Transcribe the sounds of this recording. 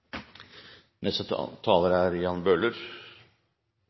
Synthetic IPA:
nɛst̪ət̪ʰɑːləɾæɾjɑnbøːləɾ

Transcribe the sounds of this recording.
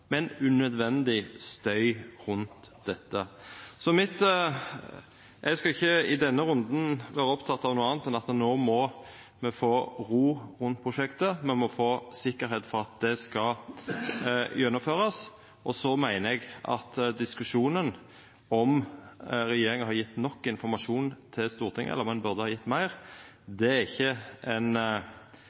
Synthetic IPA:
mɛnʉnœd̪ʋɛnd̪ɪst̪œʏɾʉnt̪d̪ɛt̪ːəsɔmɪt̪ː | ʔɛɡskɑɪçːəɪd̪ɛnːəɾʉnd̪n̩ʋæːɾəɔpt̪ʰɑt̪ːɑʋnuːɑːnt̪ɛnɑt̪noːmɔ | mɛfoːɾuːɾʉnt̪̚pʰɾʊʃɛkt̪əmɛnmɔfoːsɪkːəɾhɛːt̪fɔɾɑt̪̚d̪ɛskɑ | jɛnːʊmføːɾɑs | ʔɔsɔmæɪnəɛɡʔɑ̰t̪d̪ɪskʉʂuːnən | ɔm | ɾɛjeːɾɪŋəhɑjɪt̪ːnɔkːɪnfɔɾmɑʂuːnt̪ʰɪlst̪uːʁt̪ʰɪŋəɛ̰lːəɾmɛnbʉʁd̪əhɑjɪt̪ːmæɪʁ | d̪ɛæɾɪçːəʔɛn

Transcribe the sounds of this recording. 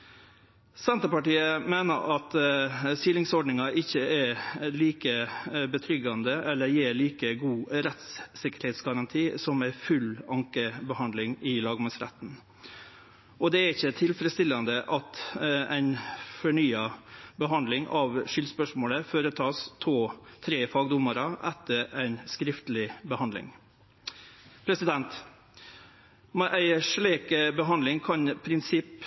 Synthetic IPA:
sɛnt̪əpɑʈiːəmeːnə̰ɾʔɑt̪siːlɪŋsɔɖɳɪŋɑʔɪçːəɛliːkəbət̪ʰɾʏɡɑnd̪əʔɛlːəɾjɪɭiːkəɡuːɾɛt̪ssɪkəɾheːt̪sɡɑɾɑnt̪ʰiːsɔmæɪfʉlɑŋkəbəhɑnd̪lɪŋɪlɑːɡmɑŋsɾæ̰t̪n̩ | ɔd̪ɛæɾɪçːət̪ʰɪlfəɾət̪st̪ɪlːɑnd̪əʔɑt̪æɪnfɔɳyːɑbəɦɑnd̪lɪŋʔɑʋʂʏlspœʂmoːləføːɾət̪ʰɑːst̪ʰoːt̪ʰɾeːfɑːɡd̪ʊmːɑɾəʔɛt̪ːəɾæɪnskɾɪft̪lɪbəhɑnd̪ɪ̰ŋ | pʰɾɛsɪd̪ɛnt̪ | mɛʔæɪʂɭeːkəbəɦɑnd̪ɪŋkʰɑnpʰɾɪnsɪpː

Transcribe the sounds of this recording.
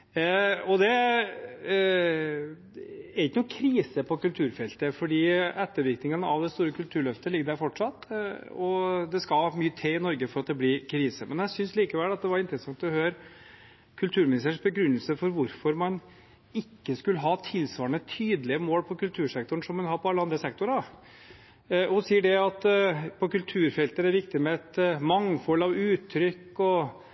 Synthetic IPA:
ɔd̪ɛ | æɾɪkːənuːkʰɾiːsəpʰɔkʉlt̪ʰʉːɾfɛlt̪əfɔɖiːɛt̪ːəɾʋɪɾknɪŋənəɑʋd̪ɛst̪uːɾəkʰʉlt̪ʰʉːɾɭœft̪əlɪɡːəd̪æɾfɔʈʂɑt̪ːɔd̪ɛskɑlmyːət̪ʰeːɪnɔɾɡəfɔɾɑt̪̚d̪ɛblɪkʰɾiːsəmʔɛnjæɪsʏnsliːkəʋɛlːɑt̪̚d̪ɛʋɑɾɪnt̪ɾəsɑŋt̪d̪ʉhøːɾ | kʰʉlt̪ʰʉːɾmɪnɪst̪əʂbəɡɾʉnːəlsəfɔɾʋʊɾfɔɾmɑn | ɪkːəskʉləɦɑːt̪ʰɪlsʋɑːɾəɳət̪ʰyːd̪lɪəmoːlpʰɔkʉlt̪ʰʉːɾʂɛkt̪ʊɳ̩ʂɔmːɛnɦɑɾpʰɔɑlːəɑnd̪ɾəsɛk̚t̪ʊɾɑ | ɔh̪siːəɖɛɑt̪pʰɔkʉlt̪ʰʉːɾfɛlt̪əd̪æɾʋɪkt̪ɪmɛɛt̪mɑŋːfɔlɑʋʉːt̪ʰːɾʏkːɔ

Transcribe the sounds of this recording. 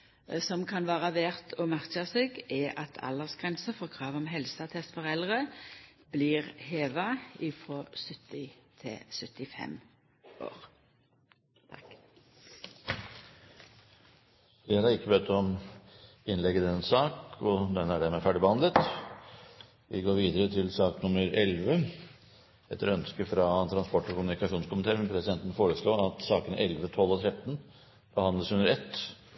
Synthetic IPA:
sɔmkʰɑnʋæːʁɑʋeːʁt̪ʰɔmæʁt͡ʃɑseːɡæʔɑt̪ʰɑ̰ləsɡ̥ʁɛnsəfɔʁkʰʁɑːʋɔmɦɛlsɑt̪ʰɛst̪fɔʁɛlʁə | b̥liːʁheːʋɑɪfʁoːsʏt̪ːɪt̪ʰɛ̰sœt̪ɪfɛ̰m | ʔo̰ːʁ | t̪ʰɑk | ɪɾɑɾɪkːəbøːt̪ːəɔm | ɪnlɛɡəd̪ɛnsɑːkʰɔd̪ɛnːæɖæmɛːfæɖɪbəhɑnd̪ət̪ | ʋɪɡoːɾʋiːd̪əɾət̪ʰɪlsɑːknʊmːəɾɛlʋə | ɛt̪ːəɾɔœnskəfɾɑt̪ʰɾɑnspɔʈːɔkʊmʉnɪkɑʂuːnskʊmɪnt̪ʰeːɾmɛnpʰɾɛsɪd̪ɛnt̪ənfoːɾəʂɭoːɑt̪sɑːkənʔɛlʋət̪ʰɔlːɔt̪ʰɾɛt̪ːn | b̥əhɑnd̪ləshʉnəɾɛt̪ː

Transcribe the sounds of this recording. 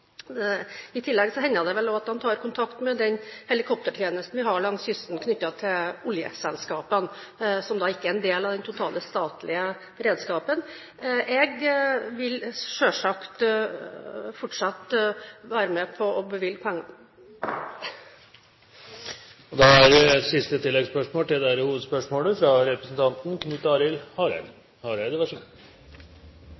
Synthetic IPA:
ɪt̪ʰɪlːɛɡsɔhɛnːəd̪ɛʋɛlɔɑt̪̚dɑnt̪ʰɑːɾkʰʊnt̪ʰɑkt̪mɛd̪ɛnhɛlɪkʰɔp̚t̪əʈʰjeːnəst̪n̩ʋɪɦɑɭɑŋsʏst̪n̩kʰnʏt̪ːɑt̪ʰɪlʊljə̰sɛlskɑːpən | sɔmd̪ɑːɪkːəæɾɛnd̪eːlɑʋd̪ɛnt̪ʰʊt̪ʰɑːləst̪ɑːt̪lʔɪə | ɾeːd̪skɑːpən | ɛɡʋɪlʂøːʂɑkt̪ | fɔʈʂɑt̪ːʋæːɾəmɛpʰɔɔbəʋɪlɡəpʰɛŋːɑ | ɔd̪ɑæɾsɪst̪ət̪ʰɪlːɛɡspœʂmoːʈ̪ɪld̪ɛæɾhuːʋəd̪spœʂmoːləfɾɑɾɛpɾəsn̩t̪ʰɑnt̪n̩kʰnʉt̪ɑːɾɪlhɑɾ̰l | hɑɾæd̪əʋæʂə

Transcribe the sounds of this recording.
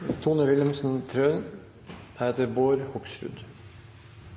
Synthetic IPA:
t̪ʰuːnəʋɪlmsn̩t̪ʰɾøːn | hæɛt̪əɾboːɾhɔpʃɾʉ̰d̪

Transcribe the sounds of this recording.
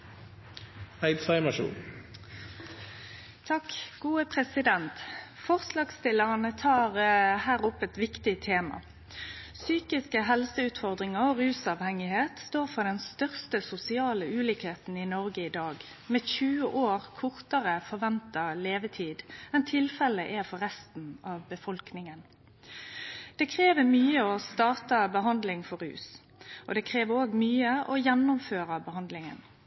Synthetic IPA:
hæɪd̪fæɪməʃṵːn | t̪ʰɑkɡ̥uːəpʰʁɛsɪd̪ɛnt̪fɔʁslɑːɡst̪ɪləʁnət̪ʰɑːʁhæːʁʊpːɛt̪ʋɪkt̪ɪt̪ʰeːmɑ̰ | syːkɪskəɦɛlsəʉːt̪fɔʁd̪ʁɪŋəʁɔʁʉːsɑʋhɛŋɪheːt̪st̪oːʁfɔʁd̪ɛnst̪œʁst̪əsʊsɪɑːləʉːliːkheːt̪n̩inɔʁɡəɪd̪ɑːɡ | mɛːçʉːəʔoːʁkʰʊʁt̪əʁəfɔʁʋɛnt̪əleːʋət̪ʰiːd̪ɛnt̪ʰɪlfɛləʔɛfɔʁɛst̪n̩ɑːʋbəfɔlknɪŋən | d̪̥ɛkʰʁeːʋəmyːəɔst̪ɑːt̪ɑbəɦɑnd̪lɪŋfɔɾʉ̰ːs | ʔɔd̪ɛkʰʁeːʋəʁoːɡmyːəʔɔjɛnːʊmføːʁəbəhɑnd̪lɪŋə̰n

